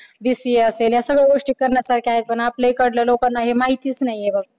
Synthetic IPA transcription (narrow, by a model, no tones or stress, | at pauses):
b̪isieəseljasəbeɡoʂʈikəɾnəsəɾkeajt̪̚bənaplejkəɽlelokənnːaɦimaɦit̪isnajebəɡ̚